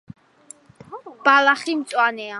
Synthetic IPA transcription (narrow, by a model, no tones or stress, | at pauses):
b̥alaχimt̪sʼwanɛa